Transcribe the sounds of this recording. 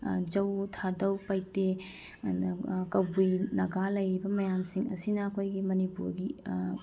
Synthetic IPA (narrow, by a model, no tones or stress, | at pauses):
d͡ʒɐwtʰadɐwpɐjte | kɐwbujnɐɡalɐjɾibɐmɐjamsiŋɐsinɐːkʰojɡimɐnipuɾɡi